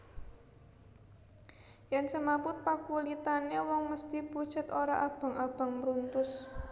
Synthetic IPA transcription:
jɛnsəmapʊt̪̚pakulit̪anewɔŋməst̪ipu̥t͡ʃə̤t̪oɾa̰ʔab̥a̤ŋab̥a̤ŋmɾunt̪ʊs

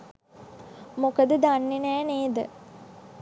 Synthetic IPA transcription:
mokəd̪əd̪anːinæːneːd̪ə̰

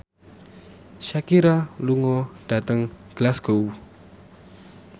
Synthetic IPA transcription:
ʃakiɾaluŋɔd̥at̪əŋɡ̥əlaskou

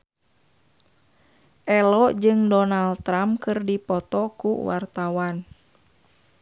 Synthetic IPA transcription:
ʔɛlɔʔd͡ʒɨŋdɔnalt̪ːɾamkɨrdipɔt̪ɔkṵwa̰rt̪awan

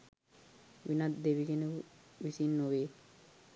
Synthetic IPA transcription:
ʋinat̪d̪eʋiɡenekuʋisinːoʋeː

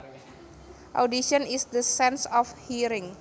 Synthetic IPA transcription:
ʔa̰wdiʃənisdəsɛ̃nsɔfhiɾɪ̃ŋ

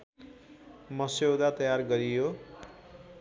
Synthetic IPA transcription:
mʌsewd̪at̪ʌjarɡʌɾijo

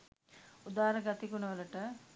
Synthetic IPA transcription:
ud̪aːɾɐɡat̪ikunɐʋəlɐʈə

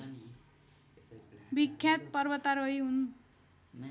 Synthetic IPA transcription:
bikʰːjat̪̚pʌrbʌt̪aɾʌjɦun

